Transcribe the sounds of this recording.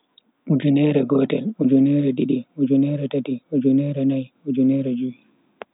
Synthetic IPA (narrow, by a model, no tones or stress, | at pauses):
ʔud͡ʒunɛɾɛɡɔːtɛlud͡ʒunɛɾɛɗiɗiud͡ʒunɛɾɛtatiud͡ʒunɛɾɛnaj | ud͡ʒunɛɾɛd͡ʒuwi